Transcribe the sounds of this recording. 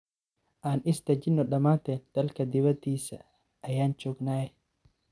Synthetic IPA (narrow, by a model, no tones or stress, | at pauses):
ʔaːnɪst̪ɐd͡ʒɪnːɔɗɐmaːt̪ɛːnd̪̥ɐlkɐd̪ɪβɐd̪iːsɐ̰ | ʔːjaːnt͡ʃʊɡnaːɛ